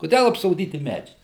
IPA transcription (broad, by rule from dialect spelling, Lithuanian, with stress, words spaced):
kʊˈdʲɛlˠ ɐpsoːˈdʲiːtʲɪ ˈmʲæːd͡ʒʲɛɪs